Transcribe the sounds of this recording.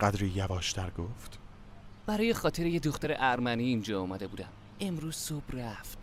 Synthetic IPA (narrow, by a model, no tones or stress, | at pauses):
ɢ̥æd̪ɾijævɒːʃt̪ʰæɾɡoft̪ | b̥æɾɒːjexɒːt̪ʰe̞ɾejed̪oxt̪æɾeʔæɾmæniːind͡ʒɒːɒːmæd̪e̞buːd̪æm | e̞mɾuːz̥sob̥ræft̪